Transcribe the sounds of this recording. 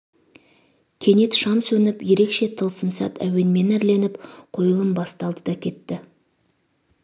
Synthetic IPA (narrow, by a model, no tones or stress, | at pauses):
kʲʰe̞ne̞t̪ʃɑmsɵnɪpje̞ɾe̞kʃe̞t̪ʰəlˠsəmsɑ̰t̪ʰæ̰we̞nme̞næɾle̞nɪpqʰo̞jəlˠəmbɑst̪ɑlˠd̪əd̪ɑkʲʰe̞t̪ːɪ